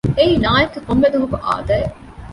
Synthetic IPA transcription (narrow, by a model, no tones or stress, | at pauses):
eiːnaːjekːɐkombed̪uɦukuʔa̰ːd̪ɐe